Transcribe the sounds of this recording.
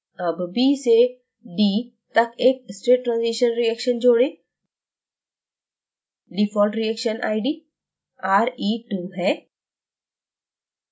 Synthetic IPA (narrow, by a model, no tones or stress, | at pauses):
ɐbbiːse | ɖiː | t̪ɐkeːk̚sʈeːʈːɾãːnziːʃənɾiɛːkʃənd͡ʒoːɽẽː | lipʰɔːlʈɾijɛːkʃənʔa̰ːiɖiː | aːɾiːʈuːɦɛː